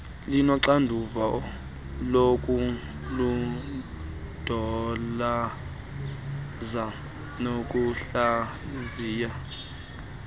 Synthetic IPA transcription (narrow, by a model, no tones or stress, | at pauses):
linɔǀandʱuvaɔ | lokʼu | lu | d̥ʱɔla | za | nokʼuɬa | iziːja